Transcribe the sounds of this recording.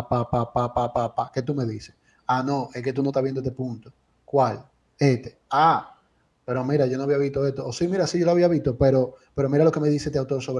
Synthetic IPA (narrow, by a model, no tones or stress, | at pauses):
papapapapapake̞t̪ume̞ðise | ano̞ʔeke̞t̪unot̪aβjed̪oet̪epunt̪o | kwal | et̪ea | pe̞ɾo̞mĩɾaʝo̞noaβiaβist̪o̞est̪oːsimiɾasiʝo̞loaβiaβist̪opeɾo̞pe̞ɾomiɾalo̞ke̞me̞ðiset̪eawt̪o̞ɾso̞βɾ